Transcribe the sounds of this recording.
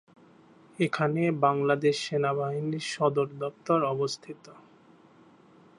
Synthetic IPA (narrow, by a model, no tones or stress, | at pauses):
ekʰanebaŋlad̪eʃːenaβaɦiniɾʃɔd̪oɾd̪ɔpt̪oɾɔbost̪ʰit̪o